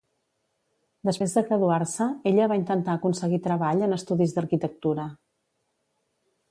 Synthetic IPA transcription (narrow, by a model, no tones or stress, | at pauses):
d̪əspɾezðəkɾəðuaɾsəeʎəβaint̪ənt̪aəkunsəɣit̪ɾəβaʎənəst̪uðizd̪əɾkit̪ək̚t̪uɾə